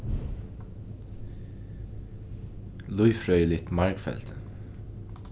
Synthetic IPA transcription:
lʊʏfɹœʏlɪt̪mɑɹɡfɛ̰lt̪

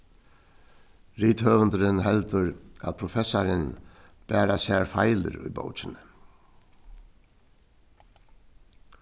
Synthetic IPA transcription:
ɾiːt̪høːʋənd̪əɾənhɛlt̪əɾʔæ̰t̪pʰɾʊfɛsaɾən | b̥æːɾasæːɹfaɪlə̰ɾy̰ːbo̰ʊt͡ʃənə

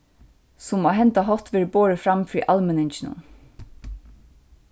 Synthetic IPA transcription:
sʊmoːɦɛnt̪aɦɔt̪ʋeːɹboːɹɪfɾamfɾiːʔalmɪnɪnt͡ʃɪnʊ̰n

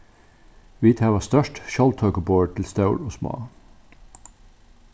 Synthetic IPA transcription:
ʋiːt̪ʰæʋɑːst̪œʃʈʃɑlt̪ʰœːkəboːʈʰɪl̩st̪ɑʉloːsmɑ̰ː

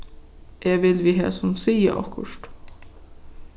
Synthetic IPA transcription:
ʔɛːʋɪlʋiːɦæ̰ːsɔmsiːə̰ʔɔ̰kːʊ̰ʃt̪

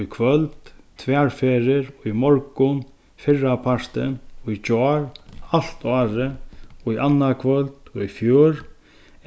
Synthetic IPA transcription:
jkʰʋœlt̪t̪ʰʋɛaɹfeːɾɪɹɔimɔɾkʊn | fɪrapʰaɹ̥t̪ɪ̰nɔit͡ʃɔːɾal̥t̪aːɾɪɔianːakʰvœlt̪ɔifjuːɾ

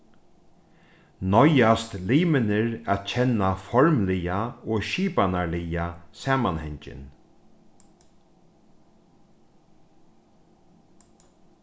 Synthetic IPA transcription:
nɔjast̪liːmɪnɪɾaːt̪t͡ʃʰɛnːafɔɹmlɪjaoːʃiːpanaɹlɪjasaːmanhɛɲt͡ʃɪ̰n

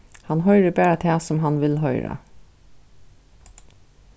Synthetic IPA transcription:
hɑnɦœʏɹəbæːɹat̪ʰɛːsɔmɦɑnʋɪlɦœʏɾa̰

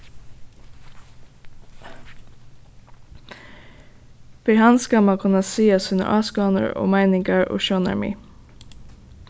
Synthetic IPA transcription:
biːhɑnsɡɑmɑkʰɑnɑsiːɑshʉnə̰ʔɑːsɡɑːnə̰ɹo̰ːmæɪnɪŋɡəɹʔo̰ːʃoːnɑ̰ɹmḭː

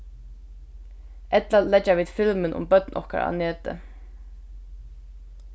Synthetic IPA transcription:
ʔɛt̪lalɛt͡ʃːaʋiːd̪fɪlmɪnʔʊ̰mbœt̪nʔɔ̰hka̰ɾa̰ːneːt̪ə̰

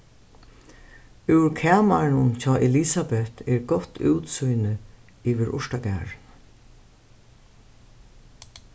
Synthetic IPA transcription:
ʉwɾkʰɛːmaɹnʊnt͡ʃʰɔːʔɛliːsabɛht̪ʰɛɹɡɔt̪ʰːʉwt̪sujnɪ | iːʋɪɾʔʊ̰ʂʈaɡæ̰ːɹn

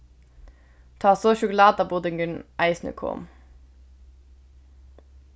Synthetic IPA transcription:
t̪ʰɑːsoːʃʊklɑːd̪ɑːbʊd̪ɪŋɡʉnʔæɪsnʉ̰ːkʰo̰ːm

